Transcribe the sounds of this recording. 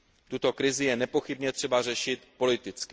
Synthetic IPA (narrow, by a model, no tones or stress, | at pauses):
t̪ut̪o̞kɾɪzɪjɛnɛpo̞xɪbɲɛt̪r̥ɛbarɛʃɪt̪po̞lɪt̪ɪt͡skɪ